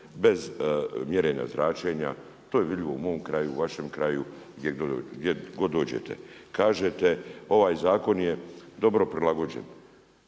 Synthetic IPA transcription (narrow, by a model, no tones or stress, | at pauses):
be̞zmjeɾeɲa̰zɾʔaːt͡ʃe̞ɲa̰ | t̪oːjeʋid̪ʎʲiʋo̞umo̞ːmkɾaːjuʋaʃemkɾaːju | ɡ̪ʲjeɡd̪jeɡo̞d̪o̞ːd͡ʑḛt̪ʰe̞̰kaːʒet̪eo̞ʋaːjzaːko̞njed̪o̞bɾo̞pɾilaɡo̞d͡ʑe̞̰n